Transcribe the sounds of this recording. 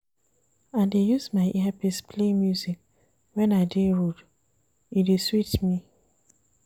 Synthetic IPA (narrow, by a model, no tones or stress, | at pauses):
ãndejuzmaɪʔɛapispʰlemjuzik̚ | wɛ̃naɪdeɹud | ideswitmi